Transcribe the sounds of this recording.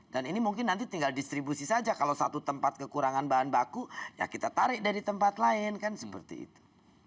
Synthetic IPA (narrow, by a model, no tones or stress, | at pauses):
d̥aninimuŋkɪnːant̪it̪iŋɡaldist̪ɾibusisad͡ʒakalawsat̪ut̪əmpat̪̚kəkuɾaŋanbaɦanbakuja̰kit̪at̪aɾɪʔdaɾit̪əmpat̪laɪnkansəpə̰rt̪ḭḭt̪u̥